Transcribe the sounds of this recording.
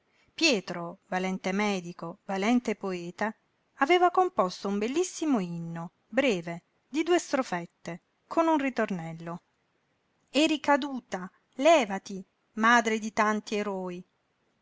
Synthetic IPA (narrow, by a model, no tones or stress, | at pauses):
pjɛːt̪ɾovalɛnt̪emɛːd̪ikovalɛnt̪epoɛːt̪a | aveːvakompɔst̪oumbelːisːimoinːo | bɾɛːve | d̪id̪uːest̪ɾofɛt̪ːe | kʰonunrit̪ornɛlːo | eɾikad̪uːt̪a | lɛːvat̪i | maːd̪ɾed̪it̪ant̪ieɾɔːi